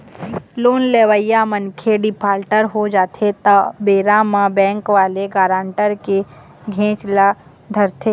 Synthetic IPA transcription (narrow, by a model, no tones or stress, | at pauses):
loːnleːʋəjamənkʰeɖɪpʰaːlʈəɾɦod͡ʒaːt̪ʰet̪abeːɾãmãbɛ̃ːŋkʋaːleɡaːɾãːɳʈəɾke | ɡʱẽːt͡ʃla | d̪ʱəɾt̪ʰeː